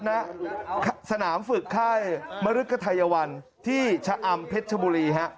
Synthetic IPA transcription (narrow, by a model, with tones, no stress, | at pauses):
na˦˥kʰsa˧naː˩˦mfɯ˨˩kʰːaː˥˩jma˧ɾɯ˦˥ka˧t̪ʰa˧ja˧wa˧n | t̪ʰiː˥˩t͡ɕʰa˧ʔa˧mpʰe˦˥t̪̚t͡ɕʰa˧buː˧ɾiː˧ɦa˦˥ʔ